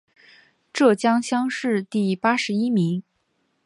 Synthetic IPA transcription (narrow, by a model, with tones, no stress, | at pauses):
ʈ͡ʂɤ˥˩t͡ɕjɑ˥ŋɕjɑ˥ŋʂɻ̩˥˧t̪i˥˩pa˥ʂɻ̩˧˥i˥mi˧˥ŋ